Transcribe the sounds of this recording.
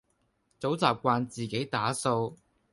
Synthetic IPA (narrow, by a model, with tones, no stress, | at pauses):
t͡so˨˥wt͡saː˨˩p̚kʷaː˧nt͡siː˨˩ke˨˥jt̪aː˨˥so˧w